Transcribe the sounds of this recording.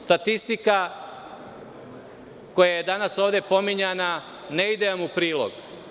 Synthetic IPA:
st̪at̪ist̪ika | ko̞jajed̪anasoːʋd̪e̞po̞miɲana | neid̪eamupɾiːlˠo̰ɡ

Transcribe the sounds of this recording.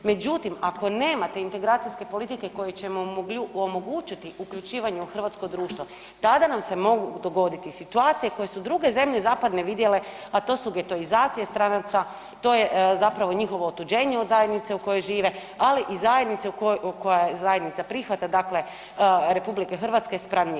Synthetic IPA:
me̞d͡ʑut̪imako̞ne̞ːmat̪e̞int̪e̞ɡɾaːt̪sijske̞polit̪ike̞ko̞jet͡ɕe̞moomo̞ɡut͡ʃit̪iʔukʎut͡ʃiːʋaɲeuxr̩ʋat̪skod̪ɾuːʃt̪ʋo̞ | t̪ad̪anamse̞mo̞ɡud̪o̞ɡo̞d̪it̪isit̪uaːt̪sijeko̞jesud̪ɾuɡe̞ze̞mʎe̞zaːpad̪ne̞ʋid̪je̞le̞ | at̪o̞ːsuɡe̞t̪o̞izaːt̪sijest̪ɾanat̪sa | t̪o̞ːje̞zapɾaʋo̞ɲixo̞ʋo̞ːt̪ud͡ʒe̞ːɲeod̪zaje̞d̪nit̪seuko̞jojʒiːʋe̞ | aliʔizajed̪nit̪sekokojajezajed̪nit̪sapɾixʋat̪ad̪akle̞ | ɾe̞publikexr̩ʋat̪skespɾaʋɲi

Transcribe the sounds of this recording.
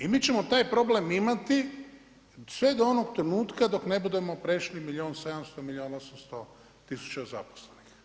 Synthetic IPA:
imiːt͡ʃe̞mo̞t̪aːjpɾo̞ble̞mimat̪i | sʋe̞d̪oonoɡt̪ɾenuːt̪kad̪o̞kne̞bud̪e̞mo̞pɾeʃlimiʎʲioːnse̞d̪amst̪o̞milʎʲioːnosamst̪o | t̪isu̥t͡ɕaza̰po̥slenix

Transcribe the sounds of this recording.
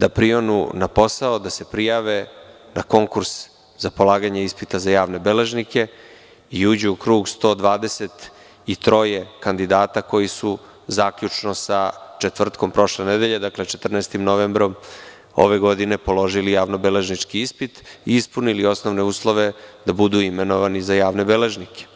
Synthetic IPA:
d̪̥apɾio̞nṵnapo̞saod̪ase̞pɾijaʋe̞ | nako̞ŋkuɾs | zapo̞laːɡaɲeispit̪azajaːʋne̞bele̞ʒnike̞ | iuːd͡ʑuukɾuːɡst̪o̞ːd̪ʋaːd̪ese̞t̪ | it̪ɾo̞jekand̪id̪aːt̪ako̞jisu | zaːkʎut͡ʂnosat͡ʃet̪vr̩t̪ko̞mpɾo̞ʃlened̪eʎed̪akle̞t͡ʃet̪r̩naːst̪imnoʋembɾo̞m | o̰ʋe̞ɡo̞d̪ine̞polo̞ʒilijaːʋnobele̞ʒnit͡ʃkiispit̪iispunilio̞sno̞ʋne̞uːslˠoʋe̞d̪abud̪uimenoʋanizajaːʋne̞bele̞ʒnikʰe̥

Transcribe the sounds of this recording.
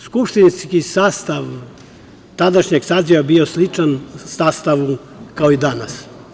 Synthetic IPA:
skupʂt̪inskisaːst̪aʋ | t̪ad̪aʃɲeɡsaːziʋabio̞slit͡ʃansaːst̪aʋu | kaoid̪anas

